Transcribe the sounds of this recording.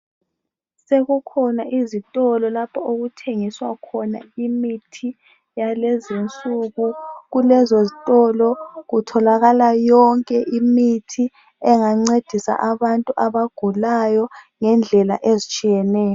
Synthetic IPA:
seɣukʰɔnaʔizitʼɔlɔlapʰɔoɣutʰeŋiswakʰɔna̰imitʰi | jalɛzint͡sʼuɣuɣulɛzozitʼɔlɔɣutʰɔlaɣalajɔŋkʼɛʔimitʰi | ɛŋaŋ͡ǀed̥ʱisa̰ʔaβantʼuʔaβaɡ̥ʱulajɔŋɛnd͡ɮʱɛla̰ʔezit͡ʃʼijɛnɛːjɔ

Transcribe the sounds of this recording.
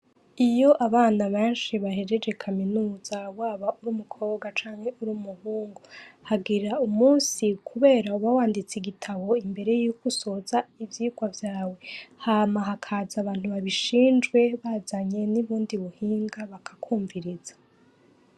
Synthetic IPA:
ijo̞ʔaβaːnaβeːnʃiβaɦeɾe̞d͡ʒe̞kʰaminuːz̥awaːβauɾuːmukʰo̞ːβɡat͡ʃaːŋhe̞ʔuɾuːmuhuːŋɡohaɡiɾaumuːnsikʰuβe̞ːɾauβawaːndit͡siɡitʰaβo̞imbe̞ɾe̞jukuso̞zaivjiːɡwavjaːwe̞haːmaɦakʰaːzaβaːn̥huβaβiʃiːnd͡ʒɡwe̞βazaɲe̞niβuːndiβuhiːŋɡaβakʰḁkʰuːɱviɾiz̥ḁ

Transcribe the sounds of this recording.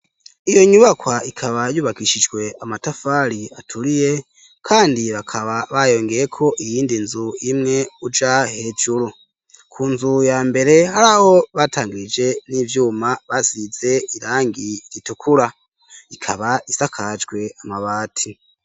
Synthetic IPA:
ijo̞ɲuβakwaikʰaβajuːβaɡiʃid͡ʒɡwe̞amatafaɾiatʰuɾije̞ | kʰaːndiβakʰaβaβajo̞ːŋɡe̞jekʰo̞ʔijiːndinzuimŋe̞ud͡ʒahe̞ːd͡ʒuɾu | kʰunzujaːmbe̞ɾe̞haɾaho̞βatʰaːŋɡiɾid͡ʒe̞niːvjuːmaβaziz̥e̞iɾaːŋɡiɾitukʰuɾa | ikʰaβaisakʰad͡ʒɡwe̞amaβaːtʰi

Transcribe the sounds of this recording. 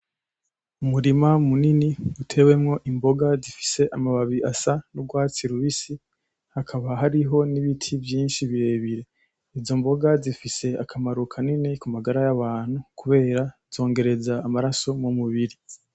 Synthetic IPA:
umuɾimamuniniutʰe̞we̞mŋo̞ʔimbo̞ɡazifi̥se̞ʔamaβaβiʔasanuɡwaːt͡siɾuβisi | hakʰaβaɦaɾiɦo̞niβitʰivjiːnʃiβiɾe̞ːβiɾe̞ | izo̞mbo̞ɡazifise̞akʰamaɾukʰaninekumaɡaɾajaβaːn̥hukuβe̞ːɾaz̥o̞ːŋɡe̞ɾe̞zaːmaɾaso̞mumuβiɾi

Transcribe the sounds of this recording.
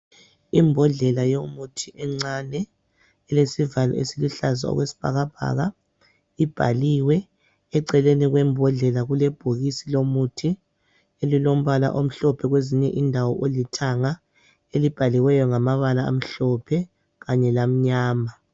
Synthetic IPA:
imbʱɔɮɛlajomutʰiʔɛŋ͡ǀanɛ | ɛlesivalɔ̰ḛsiliɬaza̰ɔ̰ɣwesi̥b̥ʱa̰ɣab̥ʱa̰ɣa | ib̥ʱa̰liwɛ | ɛǀɛleniɣwɛmbʱɔɮɛlaɣulɛb̥ʱuɣisilomutʰi | elilom̩βala̰ʔom̩ɬɔpʰɛɣweziɲɛʔindʱawɔʔolitʰaŋa | elib̥ʱaliwɛjɔŋamaβalaa̰m̩ɬɔpʰɛ | ɣaɲɛlam̩ɲaːma

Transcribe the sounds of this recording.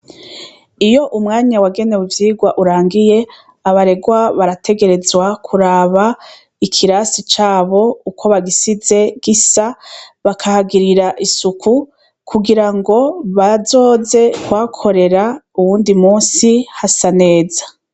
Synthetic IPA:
ijo̞ʔumŋaːɲawaɡe̞ne̞wuvjiːɡwaʔuɾaːŋɡije̞ | aβaɾe̞ɡwaβaɾatʰe̞ɡe̞ɾe̞zwakʰuɾaːβa | ikʰiɾasit͡ʃaːβo̞ukʰo̞βaɡisize̞ɡ̥isaβakʰahaɡiɾiɾaʔisukʰu | kʰuɡiɾaŋɡo̞βazo̞ːze̞kwaːkʰo̞ɾe̞ɾauβuːndimuːnsihasane̞ːzḁ

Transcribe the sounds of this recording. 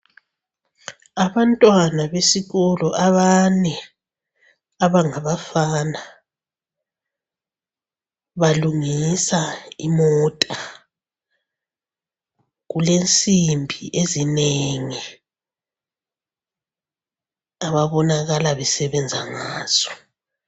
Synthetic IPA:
aβantʼwanaβesiɣɔlɔʔaβanɛ | aβaŋaβafana | βaluŋisaimɔːtʼa | ɣulent͡sʼimbʱḭʔezineŋi | aβaβɔnaɣalaβɛsɛβɛnd͡zʱaŋaːz̥ɔ̥

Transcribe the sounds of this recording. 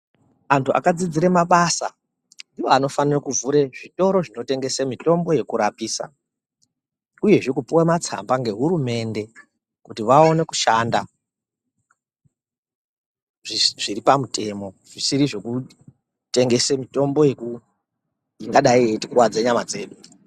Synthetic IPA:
antʰuʔa̰kad͡zid͡ziɾemaɓasa̰ | ndiʋo̞ano̞fanirokuvuɾeʐito̞ɾo̞ʐino̞te̞ŋɡe̞semito̞mbo̞je̞kuɾapiːsa̰ | uje̞ʐikupiwamat͡sa̰mbaŋɡe̞ɦuɾume̞nde̞ | kutiʋao̞ne̞kuʃanda | ʐiʐiripamute̞mo̞ | ʐ̥isiɾiʐe̞ku | te̞ŋɡe̞semito̞mbo̞je̞ku | iŋɡaɗaietikuwad͡zeɲamad͡ze̞ːɗu

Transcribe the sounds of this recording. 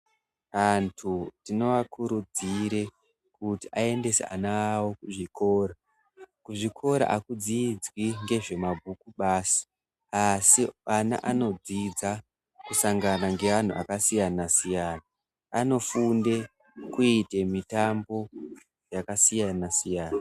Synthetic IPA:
antʰutino̞ʋakʰuɾud͡ziɾe̞ | kutiʔae̞nde̞sḛa̰nawokuʐikʰo̞ːɾa | kuʐikʰo̞ɾa̰ʔakud͡zid͡zwiŋɡe̞ʐe̞mabʱukuɓaːsi̥ | asiana̰ʔano̞d͡zid͡za | kusaŋɡanaŋɡe̞an̤uʔakasijanasijaːna | ano̞funde̞ | kuite̞mitambo̞ | jakasijanasijaːna

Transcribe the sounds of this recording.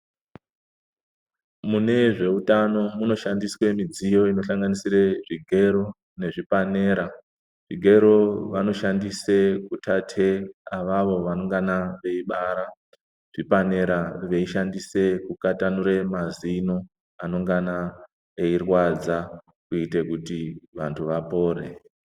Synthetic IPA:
mune̞ʐe̞utano̞muno̞ʃandiswe̞mid͡zijo̞ino̞ɬaŋɡanisiɾe̞ʐiɡʱe̞ɾo̞ | ne̞ʐipane̞ːɾa | ʐiɡʱe̞ɾo̞ʋano̞ʃandise̞kutʰatʰe̞aʋaʋo̞ʋano̞ŋɡanaʋe̞iɓaɾa | ʐ̥ipane̞ɾaʋe̞iʃandise̞kukatanuɾe̞mazino | ano̞ŋɡana | eirwad͡za | kuite̞kutiʋantʰuʋapoːrḛ

